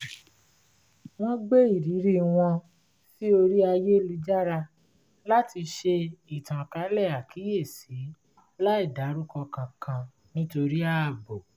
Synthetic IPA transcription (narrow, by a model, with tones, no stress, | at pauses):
w̃ɔ̃˦ɡ͡be˦i˦˨ɾi˨˦ɾi˦w̃ɔ̃˧ | fi˦o˧ɾi˦a˧je˦li˨˧˦d͡ʒa˦ɾa˧ | la˦tʰi˧ʃe˧i˨tã˨ka˨˦lɛ˦˨a˨ki˨˦je˦˨si˨˦ | la˦i˦˨da˨˦ɾu˦kɔ˧kã˧kʰã˧ | nĩ˦to˧ɾi˦a˦˨bo˨